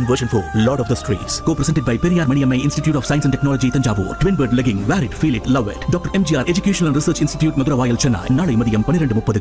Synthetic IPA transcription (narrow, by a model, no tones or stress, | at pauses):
nʋɐʃɐ̃nfɔːlɔːɾɔfd̪ɐsʈɾḭːʈskoːpɾɛsɛ̃nʈɪɖ̚bɐɪpɛɾijaːɾmɐnɪjɐmɐɪɪnsʈiʈjuːʈɔːfsaj̃nsɛnʈɛknɔːlɐd͡ʒit̪ɐɲd͡ʒaːʋo̰ːʈʋɪnbɐɾɖlɐɡɪ̃ŋʋæːɾɪɖfiːlɪʈlɐʋḛʈɖɔːkʈɐɾemd͡ʒiːaːɾed͡ʒukjeːʃɐnɐlɐ̃nɾɪsəːɾt͡ʃɪnsʈɪ̥ʈjuːʈmɐðuɾɐʋaːjɐlt͡ʃɛnːa̰ːjnaːɭɐɪmɐðɪjɐmpɐnːɪɾeɳɖɯmʊpːɐðɯ